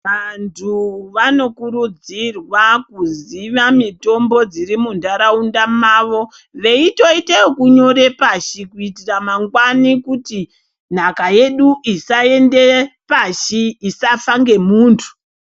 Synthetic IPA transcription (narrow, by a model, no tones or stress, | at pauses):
ʋantʰuʋano̞kuɾud͡zirwakuziʋamito̞mbo̞d͡zirimundaɾaundamaːʋo̞ | ʋe̞ito̞itekuɲo̞ɾe̞paʃikuitiramaŋɡwanikuti | n̤akaje̞ɗuisae̞nde̞paʃiːsafaŋɡe̞muːntʰu̥